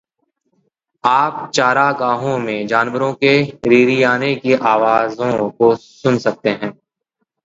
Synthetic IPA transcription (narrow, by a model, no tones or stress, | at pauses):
aːp̚t͡ʃaːɾaɡaːɦõmẽd͡ʒaːnʋəɾõkeɾiːɾijaːnekiʔaːʋaːzõkosʊnsɐk̚t̪eɦɛ̃ː